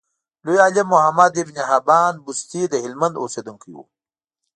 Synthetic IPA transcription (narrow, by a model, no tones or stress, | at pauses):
lujaːlimːuhamad̪ivniɦabaːnbust̪id̪əhɪlmand̪o̰sed̪uŋkijṵ